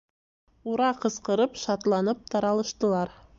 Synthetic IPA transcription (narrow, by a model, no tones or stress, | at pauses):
uɾɑqɤ̆sqɤ̆ɾɤpʃɑt̪lˠɑnɤp̚t̪ɑɾɑlˠɤ̆ʃt̪ɤ̆lˠɑɾ